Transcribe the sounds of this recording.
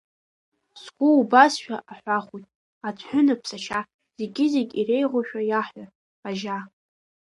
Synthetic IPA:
sɡʷʊubasʃᶣaʔaħʷaχʷujtʼ | at͡sʰħʷᶣʊnapʰsat͡ʃʰa | z̥eɡʲɪzeɡʲire̞jʁʷaʃᶣajaħa | aʒa

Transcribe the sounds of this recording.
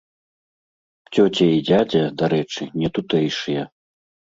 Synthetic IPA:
t͡sʲɔt͡sʲɛid͡zʲad͡zʲɐd̪aɾɛt͡ʂɨnʲɛt̪ut̪ɛjʂɨjɐ

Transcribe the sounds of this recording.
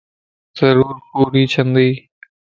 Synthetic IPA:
z̥ɐɾuːɾpuːɾiːt͡ʃʰɐnd̪ij

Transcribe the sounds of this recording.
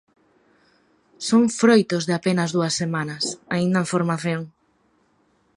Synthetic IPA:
soŋfɾojt̪ozðɪapenɐzðuɐsːemanɐsaĩnd̪ɐeɱfoɾmaθjoŋ

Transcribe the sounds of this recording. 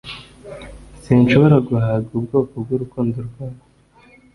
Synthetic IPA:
sinʃo̞βo̞ɾaɡuhaːɡubɡoːkobɡwuɾukuːndoɾɡwaːnḁ

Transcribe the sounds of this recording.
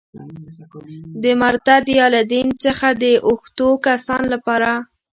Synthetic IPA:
d̪əmaɾt̪ad̪jɑlad̪int͡səxad̪əʔʊxt̪okasɑnlapɑɾa

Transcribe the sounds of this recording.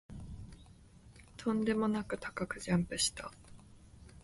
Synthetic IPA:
t̪ʰõ̞nd̪e̞mo̞nakɯ̟t̪ḁkakɯ̟ʑãmpɯ̟ɕi̥t̪a

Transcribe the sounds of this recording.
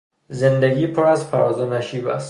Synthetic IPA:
zend̪eɡiːpʰoɾæzpʰæɾɒːzɒnæʃiːbæst̪

